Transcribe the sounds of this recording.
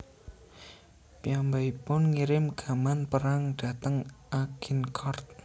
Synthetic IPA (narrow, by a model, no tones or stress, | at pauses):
piambaipʊnŋiɾɪmɡ̥a̤manpəɾaŋɖ̥a̤t̪əŋʔaɡ̥inkʰɔrt̪̚